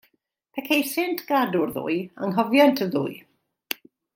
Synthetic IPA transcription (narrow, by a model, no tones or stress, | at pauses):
pʰɛkʰejsɪntʰɡ̥adʊrðṵːɨa̰ŋɦɔvjantʰəðṵːɨ